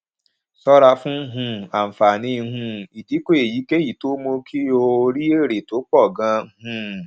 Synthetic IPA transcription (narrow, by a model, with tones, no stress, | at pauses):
sɔ˦ɾa˧fũ˦ɦũ˧a˨m̩˨fa˨nĩ˧˦ɦũ˧i˨di˨˦ko˦e˨ji˨˦ke˦ji˨to˦mo˧kʰi˦o˧o˧ɾi˦e˦˨ɾe˨to˨˦k͡pɔ˦˨ɡã˧˦ɦũ˧